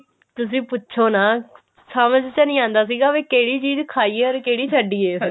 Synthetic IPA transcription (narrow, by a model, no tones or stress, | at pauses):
t̪ʊs̬ĩːpʊtːʃʰoːnaː | saːməd͡ʒt͡ʃɛːnĩːãːnd̪aːs̬iːɡaːʋeːkeːɽiːt͡ʃiːzkʰaːiːeːɔɾkeːɽiːt͡ʃʰəɖiːeː